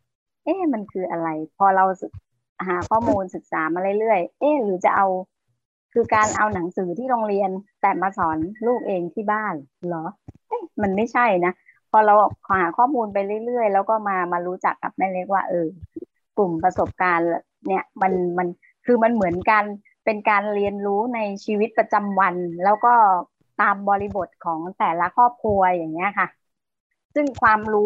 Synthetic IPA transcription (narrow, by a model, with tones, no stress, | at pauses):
ʔeː˧˥˩ma˧nkʰɯː˧ʔa˧ɾa˧jpʰɔː˧ɾa˧ws | ɦaː˩˦kʰɔː˥˩muː˧nsɯ˨˩k̚saː˩˦maː˧ɾɯ˥˩jlɯ˥˩əjʔeː˧˥˩ɾɯː˩˦t͡ɕa˨˩ʔa˧w | kʰɯː˧kaː˧nʔa˧wna˩˦ŋsɯː˩˦t̪ʰiː˥˩ɾoː˧ŋɾi˧ənt̪ɛː˨˩maː˧sɔː˩˦nluː˥˩k̚ʔeː˧ŋt̪ʰiː˥˩baː˥˩nlɔ˩˦ʔe˦˥˩ma˧nma˥˩jt͡ɕʰa˥˩jna˦˥ | pʰɔː˧ɾa˧wkʰa˨˩whaː˩˦kʰɔː˥˩muː˧np̬a˧jɾɯ˥˩jlɯ˥˩əjlɛː˦˥wkɔː˥˩maː˧maː˧ɾuː˦˥t͡ɕa˨˩kːa̰˨˩p̚mɛː˥˩le˦˥k̚waː˥˩ʔɤː˧ | klu˨˩mpɾa˧so˨˩p̚kaː˧nl | ni˥˩ɐma˧nma˧n | kʰɯː˧ma˧nmɯ˩˦ənka˧n | pe˧nkaː˧nɾi˧ənɾuː˦˥na˧jt͡ɕʰiː˧wi˦˥t̪̚pɾa˧t͡ɕa˧mwa˧nlɛː˦˥wkɔː˥˩ | t̪aː˧mbɔː˧ɾi˧bo˨˩t̪̚kʰɔː˩˦ŋt̪ɛː˨˩la˦˥kʰɔː˥˩p̚kʰu˧ɐja˨˩ŋːi˦˥ɐkʰa˥˩ | sɯ˥˩ŋkʰwaː˧mɾuː˦˥